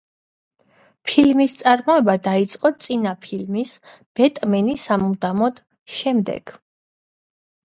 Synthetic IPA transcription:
pʰilmist̪sʼaɾmɔɛbad̪ait̪sʼqʼɔt̪sʼinapʰilmis | b̥ɛt̪ʼmɛnisamud̪amɔd̪̥ | ʃɛmd̪ɛ̰ɡ̥

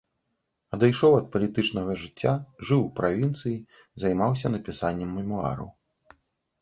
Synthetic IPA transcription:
ɐd̪ajʂɔwɐt̪̚pɐlʲit̪ɨt͡ʂnɐɣɐʐɨt͡sʲːaʐɨwpɾavʲint̪sɨji | zɐjmaws̬ʲɐnɐpʲisanʲːɛmːɛmua̰ɾɐ̰w

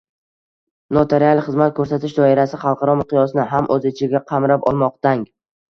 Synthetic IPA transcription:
not̪ʰeɾialˠχɨzmat̪̚kʰɵɾsat̪ʰɪʃd̪ɒɪɾasɪχɑlˠqʰɑɾɒmɪqɨjɒsnɪɦamʔɵzɪt͡ʃʰɪɡʲaqʰɑmɾapɒ̰lˠmɒq̚t̪aŋ

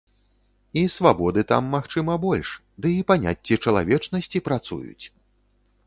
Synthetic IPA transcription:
isvabɔd̪ɨt̪a̰mːaxt͡ʂɨmɐbɔlʲʂ | d̪ɨipanʲa̰t͡sʲːit͡ʂɐlˠa̰vʲɛt͡ʂnɐsʲt͡sʲipɾat̪sṵjṵt͡sʲ

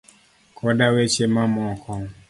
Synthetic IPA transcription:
kʰɔdawet͡ʃemãmɔ̃kʰɔŋ

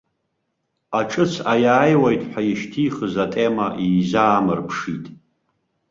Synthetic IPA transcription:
aʈ͡ʂʼɨt͡sʰajaːjwajtʼħʷᶣajɪʃtʰiːχəzatʼemaʔiːzaːmɨrpʰʂitʼ

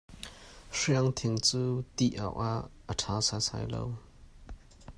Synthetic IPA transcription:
ʂiəŋt̪ʰɪŋt͡suːt̪iʔa̰wʔaʔːətʰasasa̰jlo̰w

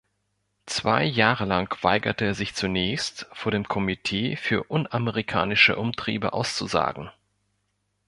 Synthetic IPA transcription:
t͡sv̥a̰ɪjaːʁəlaŋkv̥aɪɡɐtəeːɐzɪçt͡sunɛːçstfoːɐɾeːmkʰɔmitʰeːfyːɐʔʊnaməʁikʰa̰ːnɪʃə̰ʔʊmtʁ̥ḭːbə̰ʔa̰ʊst͡suza̰ːɡŋ̩

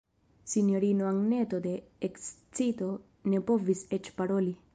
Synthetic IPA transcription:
sinjoɾinoaŋnet̪od̪eeks | t͡sit̪o | nepoviset͡ʃpaɾoli

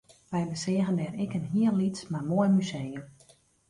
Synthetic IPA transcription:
ʋɛjbəsɪəɣəndɛːɾɪkənɦiənlitsmarmoəmysejəm

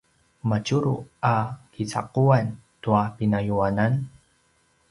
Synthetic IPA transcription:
mat͡ʃuɾuakit͡sa̰quantuapinajuanan

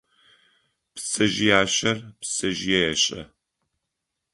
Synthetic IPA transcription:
psɐʒijaːɕɐrpsɐʒjɛjɛɕʼɐ̰

